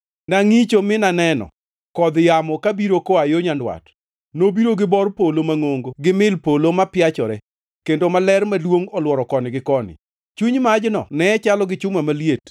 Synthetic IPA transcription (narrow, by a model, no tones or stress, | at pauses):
naŋit͡ʃomɪnanɛnɔ̰ | kɔd̪jamɔkabiɾokoajoɲandwa̰t | nobiɾoɡɪbɔrpolomaŋoŋɡoɡɪmɪlpolomapjat͡ʃɔɾɛ | kendomalɛrmalwoŋɔlwɔɾɔkɔnɪɡɪkɔnɪ̰ | t͡ʃuɲmad͡ʒnɔ̰nɛɛt͡ʃalɔɡɪt͡ʃʊmamaliet